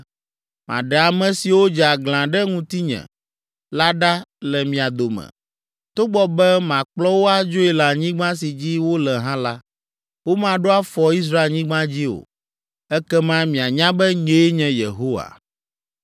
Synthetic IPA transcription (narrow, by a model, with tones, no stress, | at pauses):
mã̰˨ɖɛ˨a˨mɛ̃˨si˨wo˦d͡ʒa˨ɡl̃ã˨ɖɛ˦ŋũ˦t̪i˦ɲɛ̰̃˨ | la˦ɖa˦lɛ˨mĩ˨a˨d̪o˨mɛ̰̃˨ | t̪o˦ɡ͡bɔ˦bɛ˦mã˨k͡plɔ˦wo˦a˨d͡ʒo˦e˨la˨ɲĩ˦ɡ͡bã˦s̬i˨d͡ʑi˦wo˦lɛ˨ɦã˦la˦ | wo˦mã˨ɖo˦a˦fɔ˨i˦s̬ɾa˦e˨ɲĩ˦ɡ͡bã˦d͡ʑi˦o̰˨ | ɛ˦kɛ˦mã˦mĩ˨a˨ɲã˦bɛ˦ɲe˨˦e˦ɲɛ̃˨jḛ˨ɦo˦wa̰˨